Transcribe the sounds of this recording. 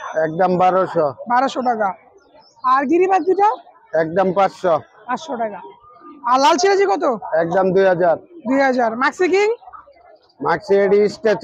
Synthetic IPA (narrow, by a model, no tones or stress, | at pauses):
ɛk̚ɖambaɾoʃɔbaɾoʃoɖaka | aɾɡiɾibad̪̚d̪iʈa | ɛk̚ɖampatʃɔ | pãtʃoɖaka | alalt͡ɕʰilad͡ʑikɔt̪̬oɛk̚ɖamd̪ujɦad͡ʑaɾd̪ujɦad͡ʑaɾmaksikiŋ | maksieɖisʈet͡ɕ